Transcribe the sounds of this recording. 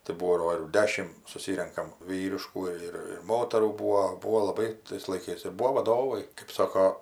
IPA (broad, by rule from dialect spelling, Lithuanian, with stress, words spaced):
tɐɪ ˈbuːdoː ɪr ˈdʲæːʃʲɪm sʊˈsʲiːrʲɛŋkɐm ˈʋʲiːrʲɪʃkuː ɪr ɪr ˈmoːtɐruː ˈbuːoː ˈbuːoː lˠɐˈbɐɪ tɐɪs lˠɐɪˈkɐɪs ɪr ˈbuːʋoː ʋɐˈdoːʋɐɪ kɜp ˈsoːkoː